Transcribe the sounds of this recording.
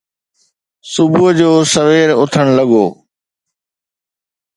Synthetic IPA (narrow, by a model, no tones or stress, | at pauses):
sʊbʊɦəd͡ʑoːsɐʋeːɾʊt̪ʰəɽ̃lɐɠo̰ː